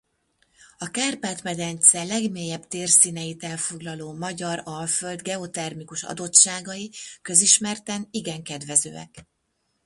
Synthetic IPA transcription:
ɒkaːrpaːt̪mɛd̪ɛnt̪sɛlɛɡmeːjɛbt̪eːrsiːnɛjit̪ɛlfo̞ɡlɒloːmɒɟɒɾɒlføld̪ɡɛo̞t̪ɛrmikuʃɒ̰d̪o̞tʃaːɡɒjikø̞ziʃmɛrt̪ɛniɡɛŋkɛd̪vɛzø̰ːɛ̰k

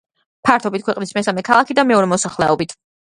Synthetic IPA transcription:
pʰaɾt̪ʰɔbit̪̚kwɛqʼnismɛsamɛkʰalˠakʰid̪amɛɔɾɛmɔsaχlɛɔbit̪ʰ

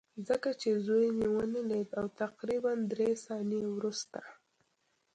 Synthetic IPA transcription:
zəkat͡ʃezojniwənəled̪awt̪aqɾiband̪ɾesɑnewɾust̪a

